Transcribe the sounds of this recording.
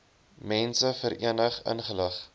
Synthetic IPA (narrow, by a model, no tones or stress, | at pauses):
mɛnsəfəɾʔḭənəχə̰nχələχ